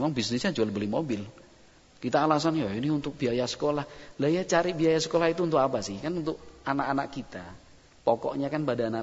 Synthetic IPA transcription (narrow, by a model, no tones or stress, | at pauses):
emaŋbisnɪsɲad͡ʒualbəlimobɪl | kit̪aːlas̬anjainɪhunt̪ʊk̚b̥iajasə̥kolahlajat͡ʃaɾibiajasə̥kolahit̪uːnt̪ʊkapasɪhkanunt̪ʊkanaʔanaʔkit̪a | pɔkɔ̰ʔɲakanpadanaʔ